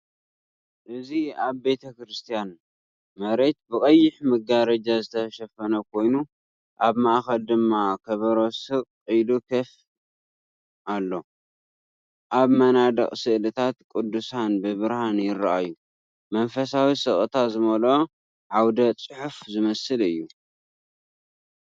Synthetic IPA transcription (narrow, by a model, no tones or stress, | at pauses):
ʔɨziaβbe̞t̪ʰɐkɾɨst̪ʰijan | mɐɾe̞t̪̚bɨkʼɐjːɪħmɐɡaɾɐd͡ʒazɨt̪ʰɐʃɐfɐnɐkʰo̞jnu | ʔaβmaʔxɐld̪ɨmːakʰɐβɐɾo̞sɨqʼːɨjlukʰɐf | ʔalːo̞ | ʔaβmɐnad̪ɐ̰χʼsɨʔlɨt̪ʰat̪kʼud̪ːusanbɨβɨɾhanjɪɾːaʔajːu | mɐnfɐsawisɨχʼɨt̪ʰazɨmɐlo̞ | ʕawd̪ɐt͡sʼɨħufzɨmɐsɨlɨjːu